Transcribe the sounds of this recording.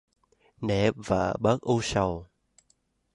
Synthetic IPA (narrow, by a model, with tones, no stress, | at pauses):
ne˧˩və̰ː˧˨ɓə˦˥k̚ʔu˧sə˨˩w